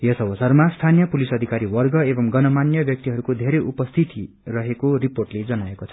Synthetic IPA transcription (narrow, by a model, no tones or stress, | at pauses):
jʌsʌwʌsʌrmast̪ʰanijʌpulisʌd̪ʱikaɾiwʌrɡʌebʌmɡʌnʌmanjʌbjʌk̚t̪iɦʌɾukod̪ʱeɾʌʔupʌst̪ʰit̪i | rʌɦekoriporʈled͡zʌnaekot͡sʰʌ